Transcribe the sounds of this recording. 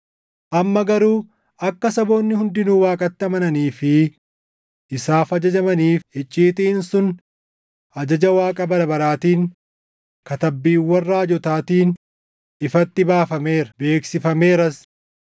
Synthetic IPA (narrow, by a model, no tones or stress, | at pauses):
ʔɐmːɐɡɐɾuː | ɐkːɐsɐbo̞ːnːɪɦʊnd̪ɪnuːwaːkʼɐt̪ːɪɐmɐnɐniːfɪ | ʔɪsaːfɐd͡ʒɐd͡ʒɐmɐniːfhɛt͡ʃʼːiːt̪ɪɪnsʊn | ʔɐd͡ʒɐd͡ʒɐwaːkʼɐbɐɾɐbɐɾaːt̪iːŋ | kɐt̪ɐbːiːwːɐrːaːd͡ʒɔt̪aːt̪iːn | ɪfɐt̪ːɪbaːfɐme̞ːɾɐbe̞ːksɪfɐme̞ːɾɐs